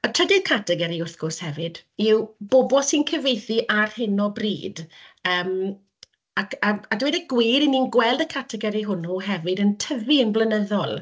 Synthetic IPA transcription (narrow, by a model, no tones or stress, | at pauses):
ətʰr̥ɛdɪkʰatʰɛɡɛɾiʊrθɡ̥ʊrshɛvɨd̥ɪwboːbɔsinkʰəvejθiʔarhɪnɔbrḭːdəːm | akaadwɛdəɡwiːɾiniːnɡwɛlˠdəkʰatʰɛɡɛɾiɦʊnuɦɛvɨdəntʰəviənblənəðɔlˠ